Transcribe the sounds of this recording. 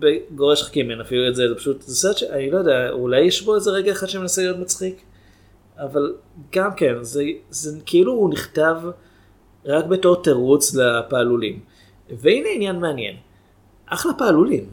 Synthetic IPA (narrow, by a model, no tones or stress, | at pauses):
beɡoʁeʃχḁkimenafiluezezepḁʃutzesaʃanilo̞jo̞deaulajːɛʃbo̞ezeʁeɡaeχad̪ʃemenaselijo̞tmat͡sχik | avalɡamke̞nzezekʰiiluːniχtav | ʁakbeto̞ʁtaʁut͡slapaːlulim | veejneinjanmeanje̞̰n | ʔaχlapaːlulim